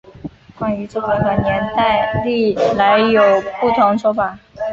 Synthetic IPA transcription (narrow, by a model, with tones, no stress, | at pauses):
kwa˥ny˧˥ʈ͡ʂo˥˩ke˧˥xwa˧˩njɛ˧˥nt̪a˥˧ɪli˥˩la˧˥ɪjo˨˩ʊpu˥˩t̪ʰʊ˧˥ŋʂwɔ˥fa˨˩˦